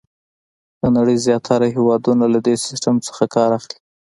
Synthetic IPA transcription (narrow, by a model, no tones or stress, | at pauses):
d̪̥ənaɽəjzjɑt̪ʰaɾaɦewɑd̪unalad̪esɪ̥sʈamt͡sə̥xakɑɾaxli̥